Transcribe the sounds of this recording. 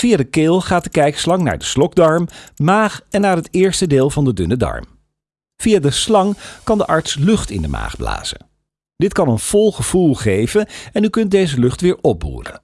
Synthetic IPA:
v̥ijadəkɪːlˠχaːt̚dəkɛjkslɑŋna̰ːɹdəslɔɡ̚dɑɹmmaːχɛnːaːɹɦətɪːɹstədeːlˠvɑndədɵnədɑ̰ɹm | v̥ijaːdəslɑŋkɑndəʔɑɹtslɵχtɪ̰ndəma̰ːχbla̰ːz̥ə̰n | d̥ɪtkɑnənv̥ɔlˠχəv̥ulˠχejvənɛnykɵnt̚dejzəlɵχtʋɪːɹɔp̚bṵːrə̰

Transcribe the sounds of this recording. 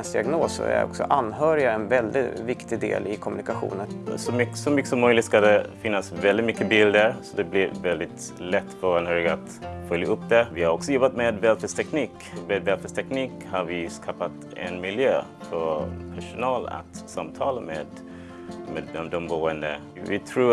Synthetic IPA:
nsd̪ɪaɡnoːsæ̰ɾɔ̰ksɔ̰ʔanːɦœːɾɪɡaɛnvɛld̪ɪt̪vɪkt̪ɪɡd̪ḛːlɪkʰɔmɵnɪkaɧṵːnənsɔmʏsɔmʏkːəsɔmœjlɪt̪skad̪ɛfɪnːasvɛld̪ɪt̪mʏkːəbɪld̪əɾsɔd̪ɛblɪɾvɛld̪ɪt̪ | lɛt̪ːfœanhœːɾɪɡaat̪fœljaɵpːd̪ɛvɪhaɾɔksɔjɔbːat̪meːd̪vɛːlfɛst̪ʰɛkniːk | meːd̪vɛːlfɛst̪ʰɛkniːkhaɾvɪskʰɑːpat̪ | ɛ̰nmɪljøː | fɔpʰæʂʊnɑːla̰t̪samt̪ʰɑːləmḛːd̪ | meːɔd̪ɔmbuːənd̪ə | vɪt̪ʰɾuː

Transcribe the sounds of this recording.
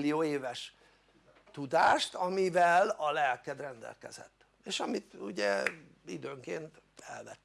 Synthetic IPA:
lːijoːeːvɛʃ | t̪ud̪aːʃt̪ɒmivɛlɒlɛlkɛd̪rɛnd̪ɛ̰lkɛ̰zɛ̰t̪ː | eːʃɒmit̪uɟɛ | id̪øːŋkeːnt̪ | ɛlvɛt̪ː

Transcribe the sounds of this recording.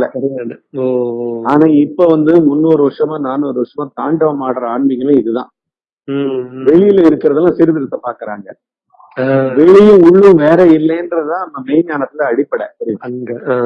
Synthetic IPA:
ɐlɛɐɾɪɳɯoaːnaːɪpːoʋɐnd̪ɯmʊnːoːɾɯʋɐʈʂɐmaːnaːnoːɾɯʋɐʈʂɐmaːt̪aːɳɖɐʋɐmaːɽɾɐaːɳbɪŋɡɐmeːɪðɯðã̰ː | ʋɛɻɪjɪlɐɪɾɯkːɪɾɐðɐlãːsɪɾɯʋɪɾɯt̪ːɐpaːɾkɐɾaːŋɡɐ | ʋɛɻɪjɯ̃ʊɭːɯ̃ʋeːɾɛɪlːɛɪndɾɐðɯt̪ãːɐnd̪ɐmɛjɲaːnɐt̪ːɪlɐːɽɪpːɐɽɛ̰sɐɾɪɯɐŋɡɐ

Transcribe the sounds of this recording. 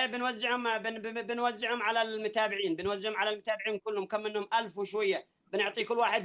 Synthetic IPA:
bɪnwazːɪʕhʊmbɪbɪnwazːɪʕhʊmʕalalmʊt̪aːbɪʕiːnbɪnwazːɪʕhʊmʕalalmʊt̪aːbɪʕiːnkʊlːhʊmkamːɪnhʊmʔalfwɪʃwajːa | bɪnʊʕt̪ˤiːkʊlːwaːħɪd̪

